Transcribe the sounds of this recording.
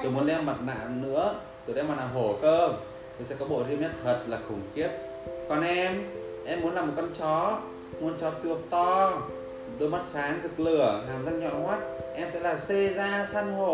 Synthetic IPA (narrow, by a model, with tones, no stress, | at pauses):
t̪o˨˧˩mu˨˦ənɗɛ˧mːə˨˩t̚na̰ː˧˨nɨ̰˧˥ə | t̪ɨ˨˩ɗɛ˧mːaː˨˩laː˨˩ɦo˨˩kəː˧ | t̪o˧˩sɛ̰˧˥kɔ˨˦ɓo̰˧˨zi˧əmɲə˦˥t̚t̪ʰwə˨˩t̚laː˨˩xʊ˨˩ŋ͡mxi˦˥əp̚ | kɔ˨˩nʔɛ˧mʔɛ˧mːu˨˦ənlaː˨˩mo˨˩t̚kɔ˧nt͡ɕɔ˨˦ | mu˨˦ənt͡ɕɔ˨˦t̪ɨ˨˩ək̚t̪ɔ˧ | ɗɨ˧˦˧ma˦˥t̚saː˨˦ŋzɨ˨˩k̚lɨ˨˩əhaː˨˩za˧n̚ɲɔ̰˧˨hwaː˦˥t̚ʔɛ˧msɛ̰˧˥laː˨˩se˧zaː˧saː˧nho˨˩